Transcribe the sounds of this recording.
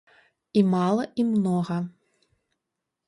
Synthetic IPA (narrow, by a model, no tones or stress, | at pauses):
imalˠɐʔimnɔɣɐ